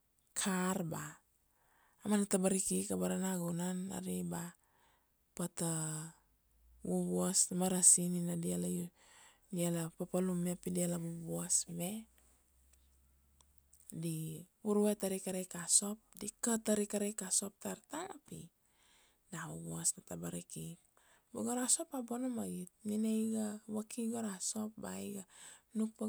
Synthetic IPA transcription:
kʰaɾba | manatabaɾikikabaɾanaɡunana̰ɾiba | pata | wubuasamaɾasininadialaju | dialapapalumepidialaβubuasme | dibuɾuetaɾikaɾekaso̞p̚dikataɾikaɾekaso̞p̚taɾtaŋapḭ | daobuasnatabaɾiki | baɡoɾaso̞pabonomaɡit̚ninejɡawakʰiɡoɾaso̞pba̰jɡanuk̚pa

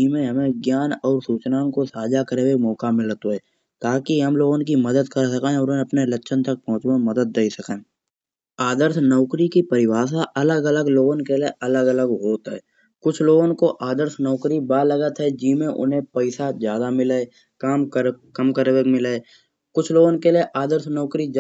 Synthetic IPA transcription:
d͡ʒiːmẽɦɐmẽɡjaːnɔːɾsuːt͡ʃnaːnkosaːd͡ʒakəɾewemɔːkamɪlt̪oɦɛː | t̪aːkiɦɐmloːɡonk̬iməd̪əd̪kəɾsəkeɦẽɔːɾeɐpnelətːʃʰənt̪ɐk̚pɔ̃ɦʊ̃t͡ʃmẽməd̪əd̪̚ːeisəkẽː | aːd̪əɾsnɔːʊkɾikipəɾɪwaːs̬aʔɐləɡələɡloːɡonkeleʔɐləɡələɡɦoːt̪ɦɛ̰ː | kʊt͡ʃʰloːɡonkoʔaːd̪əɾsnɔːkɾibaːləɡət̪ɦɛd͡ʒiːmẽʔʊ̰nɦẽpəɪsazjaːd̪amɪle | kaːmkəɾkəmkəɾwekmɪlee | kʊt͡ʃʰloːɡõnkelieʔaːd̪əɾsnɔːkɾid͡ʒ

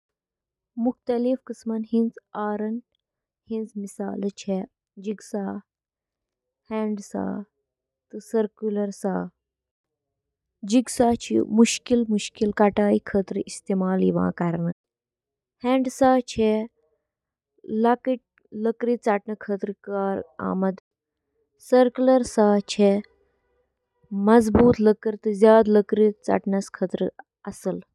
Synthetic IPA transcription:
mukʰt̪ɐlifkəsmɐnhĩnt͡saːɾɐn | hint͡smisa̰ːlt͡ʃʰe | d͡ʒiɡsaː | hɛ̃ːɳɖsa̰ː | t̪ɨsəɾkjulɐɾsaː | d͡ʒiɡsaːt͡ʃʰḭmuʃkilmuʃkilkaʈaːjikʰəːt̪ɾəʔist̪eːmaːlḭʋã̰ːkaɾnə | heːɳɖsaːt͡ʃʰe | lakiʈ̚ | ləkɾit͡saːʈnɐkʰət̪ɾəkaːɾa̰ːmɐd̪ | səɾkulɐɾsaːt͡ʃʰe | mɐzbuːt̪ləkəɾt̪ɨzjaːd̪ləkɾit͡sa̰ːʈnɐskʰət̪ɾə | ɐsəl

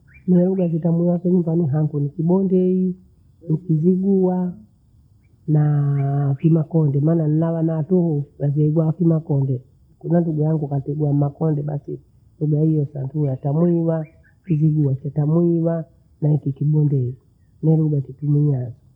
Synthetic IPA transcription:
nɛɛluɡakitamwiwakɛɲimbaniɦaŋɡunikiɓɔndɛi | nikiziɡua | na | kimakɔndɛmaːnanilawanatuhunazɛiɡwakimakɔndɛ | kunanduɡajaŋɡukatɛɡuamakɔndɛɓasi | duɡahijɔsa̰ndujatamwiwa | kiziɡuat͡ʃatamwiwa | naikikiɓɔndɛi | nɛluɡakitumiazɔ

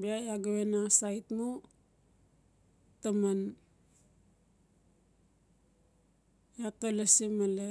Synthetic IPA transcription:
biajaɡawenasajtmu | taman | jakalasimale

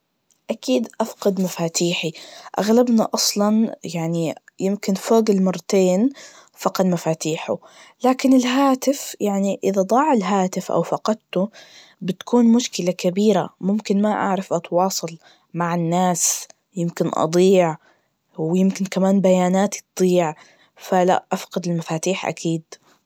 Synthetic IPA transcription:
ʔakiːd̪ʔafqɑd̪mafaːt̪ʰiːħiʔa̰ɣlabnaʔɑsˤlɑnjaʕnijɪmkɪnfoːɡɪlmɑrˤːɑt̪eːn | fɑqɑd̪mafaːt̪iːħṵ | laːkɪnɪlɦaːt̪ɪfjaʕniʔɪðad̪ˤɑːʕɪlɦaːt̪ɪfʔa̰wfɑqɑd̪̚t̪ʊ | bɪt̪ḁkuːnmʊʃkɪlakabiːɾa̰mʊmkɪnmaʔa̰ʕɾˤɑfʔɑt̪wɑːsˤɑl | maʕɪnːaːs | jɪmkɪnʔɑ̰d̪ˤiːʕ | wjɪmkɪnkamaːnbajaːnaːt̪it̪d̪ˤiːʕ | fala̰ʔʔafqɑd̪ɪlmafaːt̪iːħʔa̰kʰiːd̪

